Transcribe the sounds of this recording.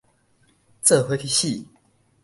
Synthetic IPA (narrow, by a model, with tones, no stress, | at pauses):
t͡sɤ˥˨xwe˧˥˦fʰi˥˧ɕi˥˨